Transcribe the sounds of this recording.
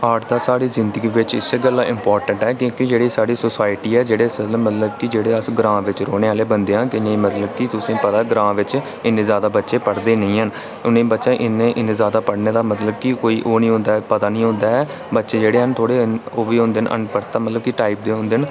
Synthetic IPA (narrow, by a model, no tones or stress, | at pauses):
aːɾʈd̪aːsaːɽiːzɪnd̪əɡiːʋɪt͡ʃɪ̰sːeːɡəlːãːʔɪmpɔːɾʈəɳʈɛːkjõːkid͡ʒeːɽiːsaːɽiːsʊsaːɪʈiːɛːd͡ʒeːɽeːsəmət̪ləb̚kɪd͡ʒeːɽeːəsɡɾãːʋɪt͡ʃɾoːɽeːaːleːbənd̪eːɦãːkɪnẽːmət̪ləbkɪt̪ʊsẽːpət̪aːɡɾãːʋɪt͡ʃ | ɪnːẽːzjaːd̪aːbətːʃeːpəɽd̪eːnəĩːɦən | ʊnẽːbətːʃãːʔɪnːẽːʔɪnẽːzjaːd̪aːpəɽneːd̪aːmət̪ləb̚kɪkoːiːʔoːnĩːɦʊ̃nd̪aːɛpət̪aːnĩːɦʊ̃nd̪aːɛː | bətːʃeːd͡ʒeːɽeːɦənt̪ʰoːɽeːnoːʋiːɦʊ̃nd̪eːənʔə̰npəɾt̪ːaːmət̪ləb̚kɪʈaːip̚d̪eːɦʊ̃nd̪eːən